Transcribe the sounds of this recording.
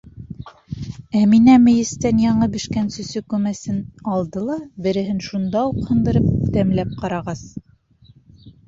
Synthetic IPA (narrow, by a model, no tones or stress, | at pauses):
æminæmɘ̆jɘ̆st̪ænjɑɴɤbɘ̆ʃkænsɵ̆sɵkʉmæsɘnɑlˠd̪ɤlˠɑbɘ̆ɾɘ̆ɦɘnʃund̪ɑuqhɤ̆nd̪ɤ̆ɾɤp̚t̪æmlæp̚qɑɾɑʁɑs